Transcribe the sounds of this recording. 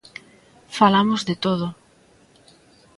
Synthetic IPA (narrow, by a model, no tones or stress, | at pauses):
falamozðet̪oðʊ